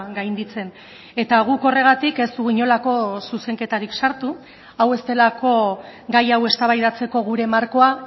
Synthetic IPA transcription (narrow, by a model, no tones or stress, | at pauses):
ɡajnd̪it͡se̞n | e̞t̪aɣ̞uko̞re̞ɣ̞at̪ike̞st̪uɣiɲo̞lako̞suse̞ŋke̞t̪aɾiksaɾt̪u | awe̞st̪e̞lako̞ɡajawe̞st̪aβajðat͡se̞ko̞ɣ̞uɾe̞maɾko̞a